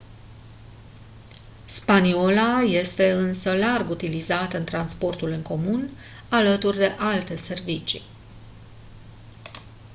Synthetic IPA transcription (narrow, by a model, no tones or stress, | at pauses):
spanio̞laje̞st̪e̞ɨnsəlarɡut̪ilizat̪əɨnt̪ɾanspo̞rt̪ulɨŋko̞mun | alət̪urʲd̪e̞ʔalt̪e̞se̞rvit͡ʃḭ